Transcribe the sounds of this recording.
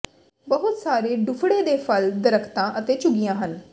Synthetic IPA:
bəɦʊt̪saːɾeːɖʊfʰɽeːd̪eːpʰəld̪əɾəkʰt̪ãːʔət̪eːt͡ʃʊɡijãːɦən

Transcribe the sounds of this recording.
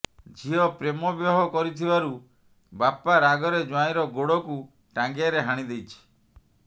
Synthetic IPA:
d͡ʒʱiɔpɾemɔbjɔɦɔkɔɾit̪ʰibaɾu | bapaɾaɡɔɾed͡ʒwajɾɔɡoɽɔku | ʈãŋɡeaɾeɦaɽ̃id̪ejt͡ʃʰi̥

